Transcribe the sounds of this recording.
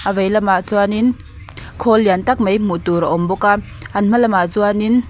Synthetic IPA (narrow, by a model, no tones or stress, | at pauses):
ʔavejlɐmaʔt͡suanin | kʰɔlːint̪ɐk̚mejm̥ut̪uɾaʔɔmbɔka | ʔɐnm̥ɐlɐmaʔt͡suanin